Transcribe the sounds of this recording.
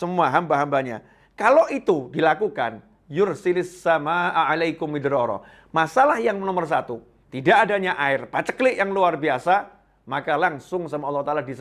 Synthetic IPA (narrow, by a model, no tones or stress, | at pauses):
səmuaɦambaɦambaɲa̰ | kaloʔit̪udilakuka̰n | jʊrsilsamaʔʕalajkʊmɪd̪ɾɔɾɔ̰ | masalahjaŋnɔmərs̬at̪u | t̪idaʔːdaɲaʔaɪrpat͡ʃəklɪʔjaŋluarbiasa | makalaŋsʊŋsamaɔlːhut̪alahdis